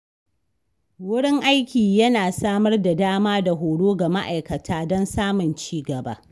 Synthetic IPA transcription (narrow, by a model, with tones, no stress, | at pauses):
wʊ˦ɽɪ˦ŋʔa˦jkʲiː˨jɐ˦naː˨saː˦mɐ˦rda˨daː˦maː˦da˨ɦoː˨ɽoː˦ɡa˨ma̰˦ʔa˨jkɐ˨tʰaː˦dɔ˦nsaː˦mʊ˨nt͡ʃiː˦ɡɐ˨ba̰ː˦